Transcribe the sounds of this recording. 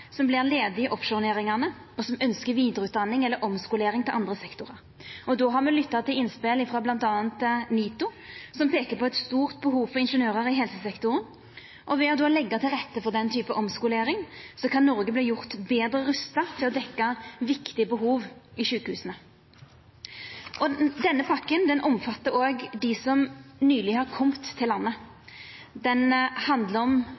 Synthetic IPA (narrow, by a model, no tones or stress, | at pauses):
sɔmblɪʁleːd̪ɪɪʔɔpʂʊneːɾɪŋɑʁnə | ɔsɔmœnskəɾʋiːd̪əɾəʉːt̪̚d̪ɑnːɪŋɛlːəɾʔɔmskʊleːɾɪŋt̪ɪlʔɑnd̪ʁəsɛkt̪ʊʁɑɾ | ʔɔd̪oːɦɑʁmɛlʏt̪ːɑt̪ʰːɪlɪnːspɪlɪfɾoːblɑnt̪ɑːnt̪niːt̪ʊsɔmpʰeːkəɾpʰɔɛt̪st̪uːʁt̪̚bəɦuːʋfɔʁɪnʂənøːɾəɾɪɦɛlsəsɛkt̪ʊɾən | ʔɔʋɛɔd̪olɛɡːɑt̪ʰɪlʁɛt̪ːəfɔʁd̪ɛnt̪ʰyːpəʔɔmskʊleːɾɪŋsɔkʰɑnːɔɾɡəbliːjʊʁt̪beːd̪ɾəɾʉst̪ɑt̪ʰɪlɔd̪ɛkːɑʋɪkt̪ɪəbəɦuːʋɪʃʉːkəhʉːsənə | ʔɔd̪ɛnːəpʰɑkːənd̪ɛnʔɔmfɑt̪ːəɾoːɡd̪ɪsɔmnyːlɪhɑʁkʰɔmt̪ʰːɪlːɑnːə | d̪ɛnhɑnd̪ləɾɔm